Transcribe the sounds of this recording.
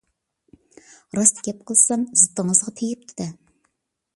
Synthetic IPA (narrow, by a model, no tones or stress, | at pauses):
ɾɑst̪ʰkʲɛp̚qʰəlˠsɑmzɨt̪ːəŋəzʁɑt̪ʰejɪp̚t̪ʰɪd̪ɛ